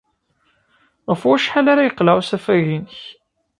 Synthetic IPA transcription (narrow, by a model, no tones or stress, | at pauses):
ʁəfwæʃħalaɾajəqːlaʕwsæfæʝinəç